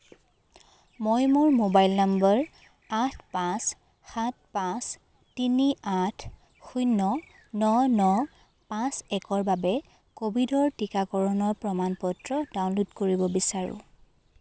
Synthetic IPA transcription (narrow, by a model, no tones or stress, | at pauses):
mojmuɹmobajlnambɔɹ | atʰpãs | xat̚pãs | tiniatʰ | xujnːɔ | nɔnɔ | pãsɛkɔɹbabɛ | kobʱidɔɹtikakɔɹɔnɔɹpɹɔmanpɔtɹɔdaw̃nlutkoɹibɔbisaɹʊ̰̃